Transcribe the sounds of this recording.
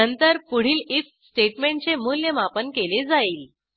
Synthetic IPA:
ənt̪əɾpuɽ̤iːlif | sʈeʈmeɳʈt͡semuljəmapənkeled͡zaiːl

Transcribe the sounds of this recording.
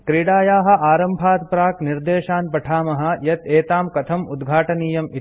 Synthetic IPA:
kɾiːɽaːjaːɦɐ̆ʔaːɾɐmbʱaːt̪pɾaːkniɾd̪eːʃaːnpɐʈʰaːmɐɦɐ̆jɐt̪eːt̪aːmkɐt̪ʰɐmud̪ɡʱaːʈɐniːjɐmi

